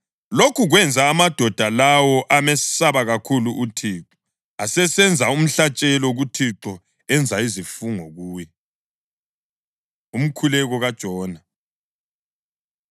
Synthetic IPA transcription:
lokʰuɣwɛnd͡zʱaːmad̥ʱɔd̥ʱalawɔʔamɛsaβaɣakʰuluʔutʰiːǁɔ̥ | asɛsɛnd͡zʱaum̩ɬat͡ʃʼɛlɔɣutʰiǁɔ | ɛnd͡zʱaizifuŋɔɣuːjɛ | um̩kʰulɛɣɔɣad̥ʒ̥ʱɔːna

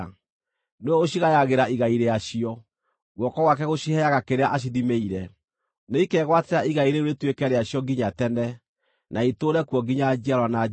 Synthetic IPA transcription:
neɔoɕiɣajaɣeɾaiɣaiɾeaɕiɔ | ɣwɔkɔɣwak̬ɛɣoɕihɛaɣakeɾeaʔaɕ̬iðimeiɾɛ | neikɛɣwateɾaiɣaiɾeoɾetwekɛɾeaɕjɔɡiɲatɛnɛ | nʔaitoːɾɛkwɔɡiɲad͡ʒiaɾwana

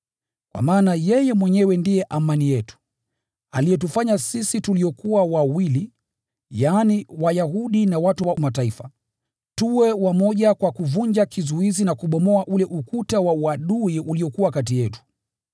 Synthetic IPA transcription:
kwa̰maːnajɛjɛmwɛɲɛwɛndijɛʔamanijɛtu̥ | a̰lijɛtufaɲasisituliɔkuwawawili | jaːniwajahuɗinawatuwamataifa | tuwɛwamɔʄakwakuvuɲd͡ʒakizuizinakuɓɔmɔaʔulɛʔukutawauaɗuiuliɔkuwakatijɛtu̥

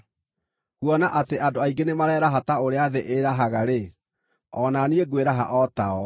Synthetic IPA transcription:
kuɔnaʔateʔadoaiŋɡenemaɾɛːɾaɦataoɾeaðeʔeɾaɦaɣaɾe | ɔnanieɡweɾaɦa̰ʔɔtaɔ

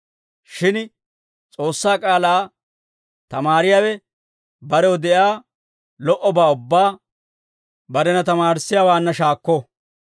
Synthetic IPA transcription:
ʃɪn | t͡sʼo̞ːsːaːkʼaːlaː | t̪ɐmaːɾɪjaːwɛ | bɐɾɛwɔd̪ɛʔjaː | lɔʔɔbaːʊbːaː | bɐɾɛnɐt̪ɐmaːɾsːɪjaːwaːnːɐʃaːkːɔ

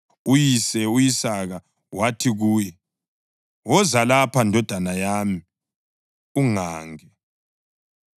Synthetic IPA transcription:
ujisɛujisaɣa | watʰiɣuːjɛ | wɔzalapʰandʱɔd̥ʱanajaːmi | uŋaːŋɛ

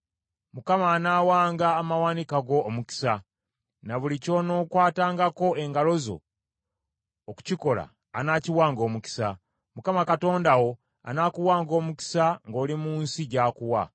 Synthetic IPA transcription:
mukamaːnaːwaːŋɡaːmawanikaɡo̞ːmuki̥sa | naβulico̞no̞ːkwaːtaːŋɡako̞e̞ŋɡalo̞zo̞̰ | ku̥ciko̞la̰ː | naːciwaːŋɡo̞ːmuki̥sa | mukamakato̞ːndawo̞ | a̰naːkuwaːŋɡo̞ːmuki̥saŋɡo̞ːlimuːnsiɟaːkuwa

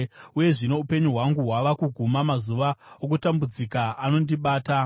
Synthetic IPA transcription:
uje̞ʐino̞upe̞ɲuɦwaŋɡuɦwaʋakuɡʱumamazuʋaok̬utambud͡zikaʔano̞ndiɓaːta

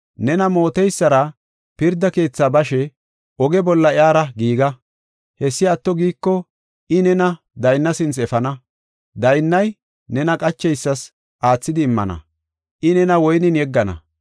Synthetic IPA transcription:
nɛnɐmo̞ːt̪ɛjsːɐɾɐ | pɪɾd̪ɐke̞ːt͡sːaːbɐʃɛ | ʔɔɡɛbɔlːɐɪaːɾɐɡiːɡɐ | hɛsːɪɐt̪ːɔɡiːkːɔ | ɪnɛnɐ | d̪ɐjnːɐsɪnt͡sɛfɐnɐ | d̪ɐjnːɐj | nɛnɐkʼɐt͡ʃːɛjsːɐs | ʔaːt͡sːɪd̪ɪːmːɐ̰nɐ̰ | ʔɪnɛnɐwɔjnɪnjɛɡːɐnɐ̰

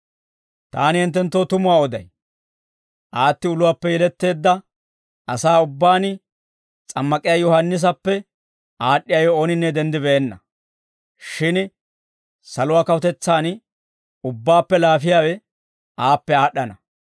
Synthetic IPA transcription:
t̪aːnɪhɪnt̪ːɛnt̪ːoːt̪ʊmʊwaːɔd̪ɐj | ʔaːt̪ːɪʊlʊwaːpːɛjɛlɛt̪ːe̞ːd̪ːɐ | ʔɐsaːʊbːaːn | t͡sʼɐmːɐkʼɪjaːjɔhɐnːɪs̬ɐpːɛ | ʔaːɗːɪjajɔoːnɪnːɛd̪ɛnd̪ɪbɛɛnːɐ̰ | ʃɪn | sɐlʊwaːkɐwʊt̪ɛt͡sːaːn | ʊbːaːpːɛlaːfɪjaːwɛ | ʔaːpːɛaːɗːɐnɐ

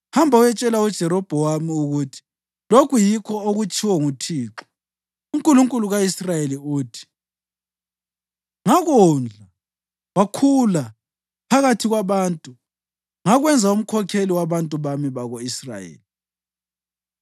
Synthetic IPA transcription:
hambʱaujɛt͡ʃʼɛlaud̥ʒ̥ʱɛɾɔb̥ʱɔwamiuɣutʰi̥ | lokʰujikʰɔoɣut͡ʃʰʼiwɔŋutʰiːǁɔ̥ | uŋkʼuluŋkʼuluɣaisrajeliuːtʰi̥ | ŋaɣuːnd͡ɮʱa | wakʰula | pʰaɣatʰiɣwaβaːntʼu | ŋaɣwɛnd͡zʱaum̩kʰɔkʰeliwaβantʼuβamiβaɣoisra̰jḛːli

